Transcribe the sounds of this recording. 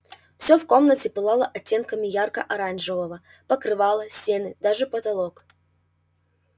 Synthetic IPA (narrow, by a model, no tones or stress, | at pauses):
fsʲofko̞mnətʲɪpɨlˠalˠəʔɐtʲːe̞nkəmʲɪjarkə̰ʔɐɾanʐɨvəvə | pəkɾɨvɑlˠəsʲtʲe̞nɨd̪aʐɨpət̪ɐlˠok